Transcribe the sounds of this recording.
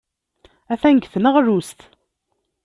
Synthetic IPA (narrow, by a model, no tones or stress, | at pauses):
æθæŋɡθənəʁɾust̪